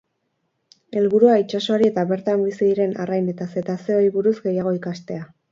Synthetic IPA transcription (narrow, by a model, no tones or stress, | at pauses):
e̞lβuɾuait͡ʃaso̞aɾie̞t̪aβe̞ɾt̪ambisiðiɾe̞na̰rajne̞t̪ase̞t̪ase̞ojβuɾuzɡe̞jaɣ̞o̞ikast̪e̞a